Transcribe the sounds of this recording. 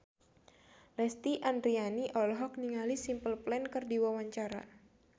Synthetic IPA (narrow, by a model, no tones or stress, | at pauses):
lɛst̪iʔandɾianiʔɔlɦɔk̚niŋalisimpəlplɛnkɨrdiwawaɲt͡ʃaɾa̰